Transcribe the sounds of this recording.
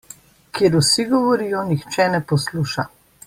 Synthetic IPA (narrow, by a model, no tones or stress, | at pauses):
kjɛɾusiɡɔʋɔɾiːjɔnixt͡ʃɛnɛpɔsluːʃa